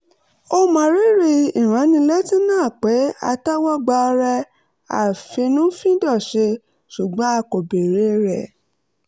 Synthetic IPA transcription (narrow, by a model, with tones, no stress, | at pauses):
o˧mã˨ɾe˦ɾe˧˨i˨ɾ̃ã˨˦nĩ˧lɛ˦tĩ˦nãː˦˨k͡pe˨˦a̰˧ta˦wɔ˦ɡ͡ba˧ɾɛ˧ | a̰˨fe˧nũ˦fĩ˦dɔ˦˨ʃe˧ | ʃu˨ɡ͡bɔ̃˨˦a˧ko˨be˨ɾe˨˦ɾɛ˨